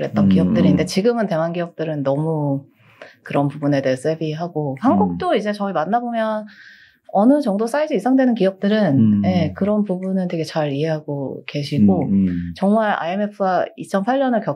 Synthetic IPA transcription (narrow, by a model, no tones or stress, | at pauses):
ɾɦe̞t̚t͈ʌnkijʌk̚t͈ɯɾinde̞t͡ɕiɡɯmɯnte̞ŋanɡiʌk̚t͈ɯɾɯnːʌmu | kɯɾʌnpubune̞de̞es͈ebiɦaɡohanɡuk̚t͈oid͡ʑe̞t͡ɕʌimanːabomjʌn | ʌnɯt͡ɕʌŋdos͈ʰaid͡ʑiisʰaŋdwe̞nɯnkijʌp̚t͈ɯɾɯnje̞kɯɾʌnpubunɯnteɡe̞t͡ɕaɾiɦe̞ɦaɡoke̞ɕʰiɡot͡ɕʌŋmaɾa̰eme̞pʰɯait͡ɕʰʌnpʰaɭɲʌnɯɭkjʌ